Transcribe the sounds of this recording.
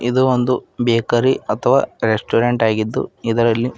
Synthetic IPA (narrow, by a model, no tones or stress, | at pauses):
ʔid̪uond̪ubeːkɐɾiɐt̪ʰɐʋaːɾesʈuːɾeɳʈaːɡid̪ːṵid̪ɐɾɐlːi